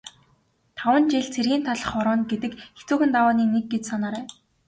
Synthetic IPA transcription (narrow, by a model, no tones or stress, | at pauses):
t̪ʰawə̆nt͡ɕeɮt͡sʰerɣiːnt̪ʰaɮə̆χɔɾɔːnɡet̪ɘ̆kxet͡suːxɘ̆nt̪awaːniːnek̚ɡet͡ɕsanaːɾæː